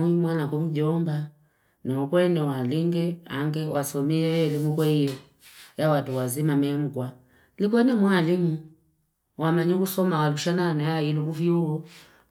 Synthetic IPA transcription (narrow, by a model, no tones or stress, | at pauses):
imwanakum̩ɟɔmba | nɛɔkwɛnɛwaliŋɡɛaŋɡɛwasɔmiɛlimukwɛijɔ | jawatuwazimamɛm̩ɡwa | lik̬wanɛmwalimu | wamaɲikusɔmawaluʃananajailukuviuɔ